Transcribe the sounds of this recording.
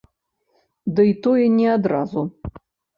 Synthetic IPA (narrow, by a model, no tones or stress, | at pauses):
d̪ɨit̪ɔjɛnʲɛad̪ɾa̰zu